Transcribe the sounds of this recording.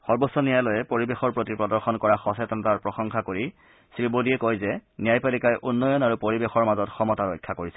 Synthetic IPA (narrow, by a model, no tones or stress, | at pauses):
xɔɹbɔsːɔnijajlɔjɛpoɹibexɔɹpɹotipɹɔdɔɹxɔnkɔɹaxɔsɛtɔnɔtaɹpɹɔxɔŋxakoɹi | sɹibodiɛkojzɛnijajpalikajʔunːɔjɔnaɹupoɹibexɔɹmazɔtxɔmɔtaɹɔjkʰːakoɹisɛ